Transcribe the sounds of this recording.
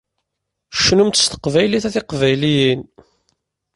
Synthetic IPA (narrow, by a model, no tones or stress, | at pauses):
ʃːnumt̪ə̥st̪ə̥qvæjliθæθɪqvæjlijin